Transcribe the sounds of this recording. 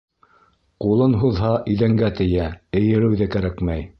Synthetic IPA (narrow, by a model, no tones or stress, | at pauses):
qulˠɤnɦuðɦɑʔɵ̆ðæŋɡæt̪ɘ̆jæɘ̆jɘ̆ɾɘ̆wðɘkæɾækmæj